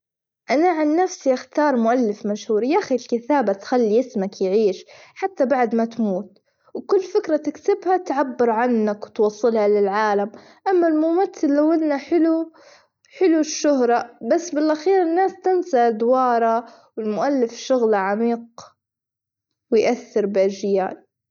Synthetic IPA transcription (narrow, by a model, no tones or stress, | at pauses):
ʔanaʕanːafsiʔɪxt̪ɑːɾˤmʊʔalːɪfmaʃhuːɾijaxilkɪt̪aːbat̪xalːijɪsmakjʕiːʃħat̪ːabaʕd̪mat̪muːt̪ | wkʊlːfɪkɾˤat̪ɪksɪbhat̪ʕabːɪɾʕanːakwɪt̪wɑsˤːɨlhalɪlʕaːlam | ʔamːalmʊmaθːɪlːawːɪlnaħɪlu | ħɪluʃːʊɦɾˤɑbasːbɪlʔaxiːɾɪnːaːst̪ɪnsaʔd̪wɑːɾˤɑ | wɪlmʊʔalːɪfʃʊɣlaʕamiːq̚ | wɪjʔaθːɪɾbɪʔad͡ʒja̰ːl